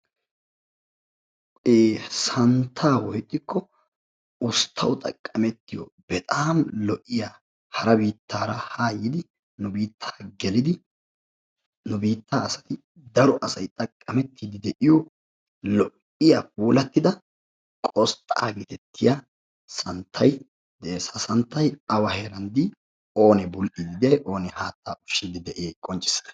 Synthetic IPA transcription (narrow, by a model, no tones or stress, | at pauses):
eːsɐnt̪ʰaːwɔjt̪ʼːɪkːɔ | ʊst̪ʰːɐwʊt̪ʼɐ̰kʼːɐmɛt̪ːɪjɔ̰bɛt̪ʼaːmlɔʔːɪjaː | hɐɾɐbiːt̪ːaːɾɐhaːjːɪd̪ɪ | nʊbiːt̪ʰːḁːɡɛlɪd̪ɪ | nʊbiːt̪ːaːsɐ̥t̪ɪ | d̪ɐɾɔʔɐsɐjt̪ʼɐkʼɐmɛt̪ːiːd̪ɪd̪ɛʔɪjɔ | lɔʔ | ɪjap̚uːlɐt̪ːɪd̪ɐ | kʼɔst̪ʼːaːɡit̪ɛt̪ʰːɪja | sɐnt̪ʰːɐj | d̪ɛsɐsɐnt̪ːɐjɐwɐheːɾɐnd̪i | o̞ːnɛbʊlʔiːd̪ɪd̪ɛɛʔo̞ːnɛhaːt̪ːaːʔʊ̥ʃːiːd̪ɪd̪ɛʔeːkʼɔnt͡ʃʼːɪ̥sːɐ̥nɐ̥